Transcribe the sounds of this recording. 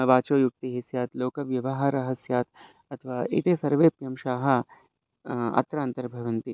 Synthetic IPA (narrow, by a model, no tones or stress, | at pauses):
ʋaːt͡ʃoːjuk̚t̪iɦisjaːt̪loːkɐʋjɐʋɐɦaɾɐɦɐsjaːt̪ | ɐt̪ʰɐʋaːʔḭt̪eːsɐɾʋeːpɾjɐmʃaːɦɐ̆ | ɐ̰t̪ɾaːnt̪ɐɾbʱɐʋɐ̃nt̪i